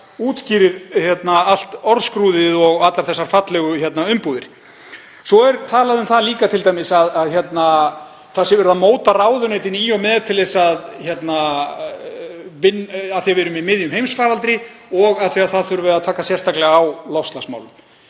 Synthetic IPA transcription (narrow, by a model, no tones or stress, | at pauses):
uːt̪sciːɾɪɾ̥çjɛt̪naal̥t̪ɔɾskɾuːðɪðɔɣat̪laɾ̥θɛsːaɾ̥fat̪lɛɣʏçjɛt̪naʏmpuðɪɾ̥ | sɔɛɾt̪ʰaːlaðʏmθaliːkat̪ʰɪlt̪ajmɪsaðaðçjɛt̪na | θasjɛvɪɾʏðamoːwt̪araːwðʏnejt̪ɪnijɔɣmɛːðt̪ʰɪlðesaðçɛt̪na | vɪnaθiavɪɾʏmɪmɪðjʏmhejmsfaːɾalt̪ɾɪ | ɔɣaðθiaðθaðθʏɾʏvɛːɾðat̪ʰaːkasjɛrst̪aklɛɣaawlɔfst̪lasma̰wlʏm